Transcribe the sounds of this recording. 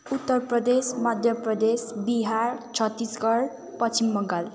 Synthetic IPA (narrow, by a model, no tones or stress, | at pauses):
ut̪ːʌrprʌd̪esmʌd̪ʱjʌprʌd̪esbiɦaɾt͡sʰʌt̪ːisɡʌɾ | pʌt͡sʰimːʌŋɡal